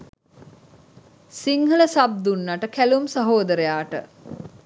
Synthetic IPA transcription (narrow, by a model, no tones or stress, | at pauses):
siŋhələsab̚d̪unːaʈəkælumsaɦoːd̪əɾejaːʈə̰